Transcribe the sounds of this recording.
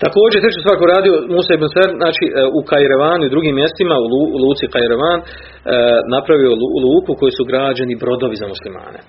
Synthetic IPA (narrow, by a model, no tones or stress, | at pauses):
t̪ako̞ːd͡ʒejt̪ɾe̞t͡ʃost̪aːɾkouɾaːd̪io̞musaibunseɾznaːt͡ʃiʔukajeɾaʋaːnuid̪ɾuɡiːmːje̞st̪imaululˠuːt̪sikajeɾoʋaːnː | apɾaʋiollˠuːkuko̞jesuɡɾaːd͡ʑanibɾo̞d̪o̞ʋizamuslima̰ːne̞̰